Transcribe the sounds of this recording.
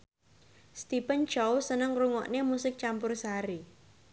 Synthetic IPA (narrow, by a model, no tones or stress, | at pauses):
st̪ipənt͡ʃɔwsənəŋɾuŋɔ̰ʔnemusɪk̚t͡ʃampʊrsaɾi